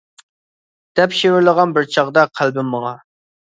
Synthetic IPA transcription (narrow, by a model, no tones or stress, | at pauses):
d̪̥ɛpʃewɪɾlˠəʁɑnbɪɾt͡ʃʰɑʁd̪ɑqʰælbɪmːəʁɑ